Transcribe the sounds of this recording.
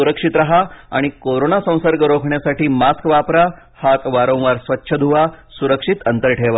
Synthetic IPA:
uɾəkʂit̪ɾaɦaa̰ɽ̃ikoɾonasə̃w̃səɾɡəɾokʰɳjasaʈiːmaskʋapɾa | hat̪ʋaɾõw̃ʋaɾsʋətːɕʰəd̪ʱuʋasuɾəkʂit̪ənt̪əɾʈʰeʋa

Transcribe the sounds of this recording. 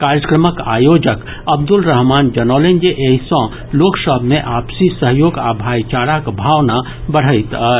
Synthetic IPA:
kaɾjəkɾəməka̰ːjoːd͡ʒək | əbd̪ulɾəɦmaːnd͡ʒənɔːlend͡ʒeʔeɦisɔ̃ | loːksəbʱmẽʔaːpsisəɦjoːɡabʱaːjt͡ʃaːɽakbʱaːwna | bəɽ̤əɪt̪

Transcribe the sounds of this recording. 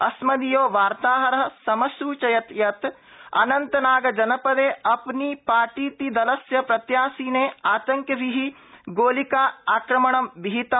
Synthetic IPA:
ɐsmɐd̪ijoːʋaːɾt̪aːɦɐɾɐɦɐ̆sɐmɐsuːt͡ʃɐjɐt̪jɐt̪ | ɐ̰nɐnt̪ɐnaːɡɐd͡ʒɐnɐpɐd̪eːɐpnipaːʈiːt̪id̪ɐlɐsjɐpɾɐt̪jaːsiːneːaːt̪ɐŋkjɐʋiɦi | ɡoːlikaːaːkɾɐmɐɳɐmbiɦit̪ɐ

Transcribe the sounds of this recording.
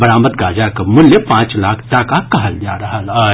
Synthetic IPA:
ɐɾaːmət̪ɡaːd͡ʒakɐmʊlːepãːt͡ʃlaːkʰʈaːkakɐɦəld͡ʒaːɾɐɦala

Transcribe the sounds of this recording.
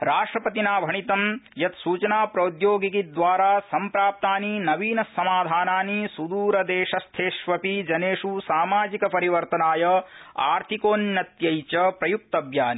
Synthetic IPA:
ɾaːʂʈɾɐpɐt̪inaːbʱɐɳit̪ɐmjɐt̪suːt͡ʃɐnaːpɾɐud̪joːɡikid̪ʋaːɾaːsɐmpɾaːp̚t̪aːninɐʋiːnɐsːɐmaːd̪ʱaːnaːnisud̪uːɾɐd̪eːʃɐst̪ʰeːʃʋɐpid͡ʒɐneːʂusaːmaːd͡ʒikɐpɐɾiʋɐɾt̪ɐnaːjɐa̰ːɾt̪ʰikoːnjɐt̪jɐjt͡ʃɐpɾɐjuk̚t̪ɐbʱjaːni

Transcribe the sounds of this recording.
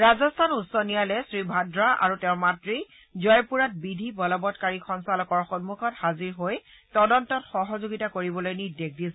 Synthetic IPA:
ɹazɔstʰanutsɔnijalɛsɹibʱadɹaʔa̰ɹutɛʊɹmatɹi | zɔjpuɹat̚bidʱibɔlɔbɔtkaɹixʰɔnsalɔkɔɹxɔnmukʰɔthaziɹɦoj | tɔdɔntɔtxɔɦɔzoɡitakoɹibɔlojnidek̚dis

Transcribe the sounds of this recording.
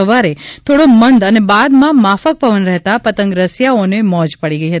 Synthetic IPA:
əʋaɾet̪ʰoɽomənd̪ənebad̪mãmafək̚pəʋənɾɛɦt̪apət̪ə̃ŋɡɾəsjaonemɔ̃d͡ʒpəɽiɡəiɦət̪i

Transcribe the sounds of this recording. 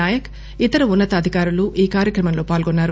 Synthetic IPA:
aːjɐk | it̪ɐɾɐunːɐt̪ɐɐd̪ʱikaːɾuluʔiːkaːɾjɐkɾɐmɐmlo̞ːpaːlɡonːaːɾu

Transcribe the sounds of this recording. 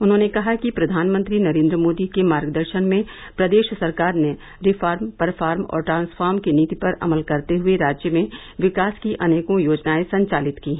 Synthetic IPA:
ʊnɦõnekɐɦakipɾɐd̪ʱaːnmə̃nt̪ɾinɐɾẽːnd̪ɾəmoːd̪ikemaːɾɡd̪əɾʃənmẽ | pɾɐd̪eːʃsɐɾkaːɾne | ɾɪfʰaːɾmpɐɾfʰaːɾmɔ̰ːɾʈɾãːnsfʰaːɾmkeniːt̪ipɐɾɐ̰məlkɐɾt̪eɦʊeɾaːd͡ʒjəmẽ | ʋɪkaːskiʔɐneːkõjoːd͡ʒnaːesɐ̃ɲt͡ʃaːlɪt̪kiːɦɛː

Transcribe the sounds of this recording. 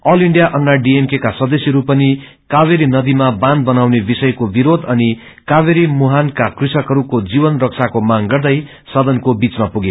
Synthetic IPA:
ʌliɳɖijaʔʌnːaɖiemkekasʌd̪ʌsjeɾupʌni | kaβeɾinʌd̪imabãnd̪̚bʌnawnebisʌjkobiɾod̪ʌni | kaβeɾimuɦankakrisʌkʌɾukod͡zibʌnrʌk̚sʰakomaŋɡʌrd̪ʌj | sʌd̪ʱʌnkobit͡smapuɡe

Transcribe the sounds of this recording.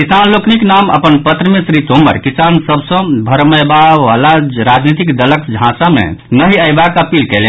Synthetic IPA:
kisanlokniknamə̰pənpət̪ɾəmẽsɾit̪omə̰ɾkisansəbsə̃bʱəɾməjbaʋalaɾad͡ʒnit̪ikd̪ələkd͡ʒʱãsamḛnəɦiəjbakəpilkɛle

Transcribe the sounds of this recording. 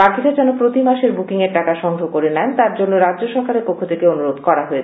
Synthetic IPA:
bakiɾad͡ʑɛnopɾot̪imaʃeɾbukiŋeɾʈakaʃɔŋɡɾokoɾenɛnt̪aɾd͡ʑonːoɾadd͡ʑoʃɔɾkaɾeɾpokʰːot̪ʰekeonuɾod̪kɔɾaɦoe

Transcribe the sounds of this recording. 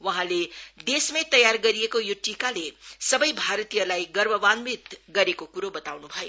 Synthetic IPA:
wʌɦãled̪esmẽt̪ʌjarɡʌɾijekojoʈikalesʌbʌjbʱaɾʌt̪ijʌlajɡʌrbʱʌbanbit̪ɡʌɾekokuɾobʌt̪awnubʱʌjo

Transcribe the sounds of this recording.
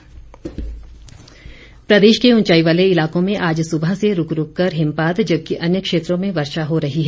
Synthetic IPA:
pɾɐd̪eːʃkeʊ̃nt͡ʃaːiʋaːleɪlaːkõmẽʔaːd͡ʒsʊbʱaseɾʊkɾʊkːɐɾɦɪ̃mpaːd̪d͡ʒɐb̚kiʔɐnjəkʃeːt̪ɾõmẽʋɐɾʃaɦoɾɐɦiɦɛː

